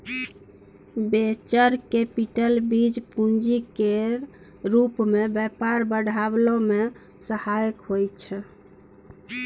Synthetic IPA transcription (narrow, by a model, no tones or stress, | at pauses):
bet͡ʃəɾkepiʈəlbid͡ʒpund͡ʒike | ɾupmebɛpaɾbəɽʱablome | səhajkɦojt͡ʃʰɛ